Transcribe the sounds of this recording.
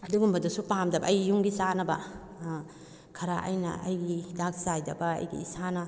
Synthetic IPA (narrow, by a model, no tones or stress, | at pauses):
ɐduɡumbɐdɐsupamdɐbɐ̰ɐjɡijuŋɡisanɐbɐ̰ | kʰɐɾaʔɐ̰jnɐ̰ɐ̰jɡidak̚sajdɐbɐɐ̰jɡḭːsanɐ